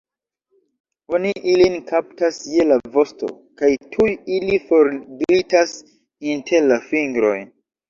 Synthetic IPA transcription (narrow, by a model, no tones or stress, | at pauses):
o̞niʔilinkap̚tasje̞lavo̞sto̰ | kajtʰujilifo̞ɾditas | intʰeɾlafiŋɡɾo̞̰jn